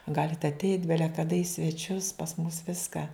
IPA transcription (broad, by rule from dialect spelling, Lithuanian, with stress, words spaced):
ˈɡɑːlʲɪt ɐtʲɛɪtʲ ˈbʲæːlʲɛ kɐˈdɐ iː sʲʋʲɛˈt͡ʃʲʊs pɐs mʊs ˈʋʲɪskɑː